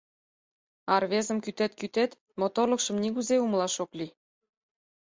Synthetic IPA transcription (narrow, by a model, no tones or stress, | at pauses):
ɑrβezə̆mkyt̪et̪kyt̪et̪ | mot̪orlə̆kʃə̆mniɣuzeumlɑʃokli